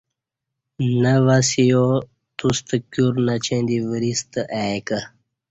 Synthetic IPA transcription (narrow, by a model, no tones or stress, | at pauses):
nəʋasijo | t̪ust̪əkjuɾnat͡ɕẽnd̪ivəɾist̪əʔajkə